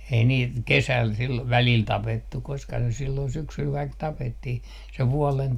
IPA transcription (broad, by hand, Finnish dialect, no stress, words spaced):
ei niːt kesæˑl silːoʋ ʋæliˑl tɑpetːuk̆ koskɑ se silːon syksyl kɑik tɑpetːih se ʋuɔlen